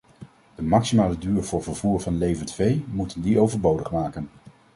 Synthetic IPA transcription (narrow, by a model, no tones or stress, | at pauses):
d̥əmɑksimaːlədyːrvʊːɹvəɹvuːɹvɑnlejvəntvejmutəndiowvəɹbowdəχmaːkən